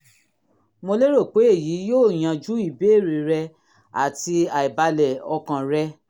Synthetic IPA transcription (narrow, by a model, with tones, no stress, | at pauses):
mo˧le˦ɾo˦˨k͡pe˨˦e˦˨ji˨˦joː˦˨j̃ã˧d͡ʒu˦i˦˨be˨˦˨ɾi˨ɾɛ˧ | a̰˨ti˧a˨i˨ba˧lɛ˨ɔ˧kã˧ɾɛ˧